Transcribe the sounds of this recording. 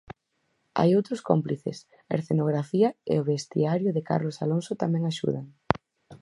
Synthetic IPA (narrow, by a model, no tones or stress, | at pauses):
a̰jowt̪ɾʊsko̰mpliθḛs | aḛɾθenoɣ̞ɾafiɐḛoβest̪ḭaɾjʊðɪka̰ɾlosaloŋsʊt̪amɛ̃ŋaʃṵðaŋ